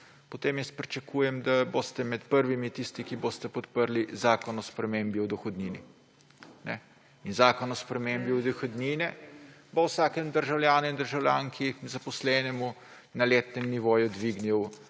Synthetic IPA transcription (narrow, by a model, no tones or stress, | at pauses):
pɔt̪eːmjɛspɾit͡ʃɐkʰuːjɛmd̪aboːst̪ɛmɛt̪pəɾʋimit̪ist̪ikiboːst̪ɛpɔt̪pəɾlizaːkɔnɔspɾɛmembiɔd̪ɔxɔd̪niːnḭ | nɛ̰ | inzaːkɔnɔspɾɛmembiɔd̪ɔxod̪niːnɛ | bɐwsaːkɛmd̪əɾʒawljaːnuind̪əɾʒawlʲjaŋkʰizɐpɔslɛːnɛmu | nɐleːt̪nɛmniʋoːjud̪ʋiɡniw